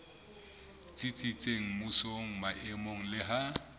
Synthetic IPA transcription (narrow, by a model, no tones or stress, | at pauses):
t͡sʼit͡sʼit͡sʼeŋ̩mʊsoŋ̩maʔɪmoŋ̩lɪɦa